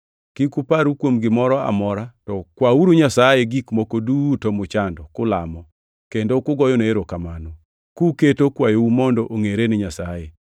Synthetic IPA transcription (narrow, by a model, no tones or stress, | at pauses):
kikupaɾukwomɡɪmɔɾɔa̰mɔɾatɔkwauɾuɲasajeɡikmokodutɔmʊt͡ʃandɔkʊlamɔ | kendokʊɡɔjoneeɾokamanɔ | kuketokwajoumɔndɔʔoŋeɾenɪɲasaje